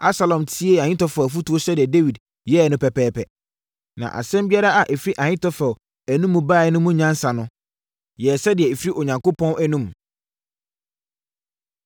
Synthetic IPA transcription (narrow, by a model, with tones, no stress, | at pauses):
a˦sa˨lɔ̃˨mtʰi˦e˦ã˨ɲɪ̃˦tɔ˦fæ˨f̬u˦tu˦o˦ɕɛ˦dɪ˨ɛ˨de˦wi˨d | jɛ˦˨nʊ̃˦pʰɛ˨pɛː˦pʰɛ˨ | nã̰˨ʔa̰˨sɛ̃˦mbi˦a˦ɾa˦a˨ʔe˨fɾi˦ʔã˨ɲɪ̃˦tʰɔ˦fɔ˨ | æ˨nũ˦mːũ˨baː˦˨ɛ˨nʊ̃˦mũ˦ɲã˦n˦sa˨nʊ̃˦ | jɛ˨sɛ˦dɪ˨ɛ˨e˨fi˦i˦ʔo˨ɲã˨ŋko˦pʰɔ̃˦nʔæ˦nũ˦m